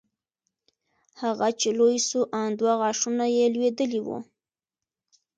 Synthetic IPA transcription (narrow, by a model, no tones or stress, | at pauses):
haɣat͡ʃelojsuʔand̪waɣɑʂunajelwed̪əliwṵ